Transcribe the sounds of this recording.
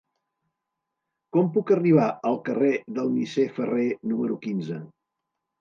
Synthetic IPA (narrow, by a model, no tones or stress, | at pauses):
kɔmpukəriβ̞aəlˠkəreðəlˠnisefərenuməɾukinzə